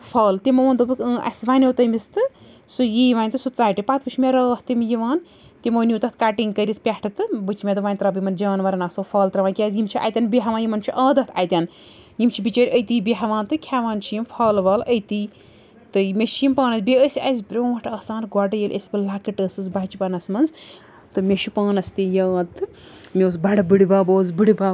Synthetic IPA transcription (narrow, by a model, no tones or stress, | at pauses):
fʰɐːlt̪imɐʋɐːnd̪obɨkɨʔɐ̰sʲʋanʲoːt̪ɐmʲist̪ɨ | sujiːʋanʲt̪ɨsut͡saːjʈɨpat̪̚ʰbɨt͡ʃʰmʲeɾɐːht̪imjiʋaːn | t̪imonʲjuːt̪ɐt̪ʰkaʈiŋɡkəɾʲit̪̚ʰpʲaʈʰɨt̪ɨbɨt͡ʃʰimʲet̪ɨʋaːnʲt̪ɾabɨjmɐnd͡ʒaːnʋɐɾɐnaːsɐfʰɐːlt̪ɾɐʋaːnʲkʲaːzʲjimt͡ʃʰiʔa̰t̪ʲanbiɦɐʋaːnjimɐnt͡ʃʰiʔaːd̪ɐt̪ʰa̰jt̪ʲan | jimt͡ʃʰibit͡ʃɐːɾʲəjt̪iːbʲiɦɐʋaːnt̪ɨkʲʰaʋaːnt͡ʃʰijimfʰaːlʋaːləjt̪i | t̪ɨmʲeʃʰijimpaːnɐsʲbʲeəsʲiɐzʲbɾʲoːɐʈʰɐːsaːnɡʷɔɖɨjelʲʔesʲbɨlakɨʈəːsɨzbɐt͡ʃipɐnɐsmɐnz | t̪ɨmʲeʃupaːnɐst̪ijaːt̪ɨ | mʲewːs̬bɐɽɨbɨɽibaːboːzbɨɽibaː